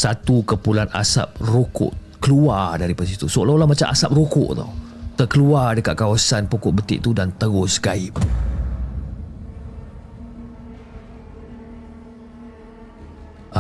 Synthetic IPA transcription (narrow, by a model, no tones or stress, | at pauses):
sat̪ukəpulana̰sa̰p̚rokʊ̰ʔ | kəluadaɾipasit̪usolalamat͡ʃamʔa̰sap̚rokʊ̰ʔt̪a̰w | t̪əkəluardəkat̪̚kawasanpukʊʔ̚bət̪ɪ̰ʔt̪udant̪əɡʊsɡaɪp̚